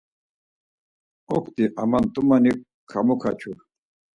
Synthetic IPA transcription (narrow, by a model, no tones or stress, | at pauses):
ɔkʰt̪iʔamant̪ʼumanik | kʰːamukʰat͡ʃʰu